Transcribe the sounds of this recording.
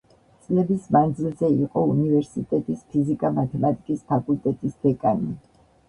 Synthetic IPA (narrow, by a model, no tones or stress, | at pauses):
t̪sʼlɛbismand̪zilˠzɛiqʼɔunivɛɾsit̪ʼɛt̪ʼispʰizikʼamat̪ʰɛmat̪ʼikʼispʰakʼult̪ʼɛt̪ʼisd̪̥ɛkʼani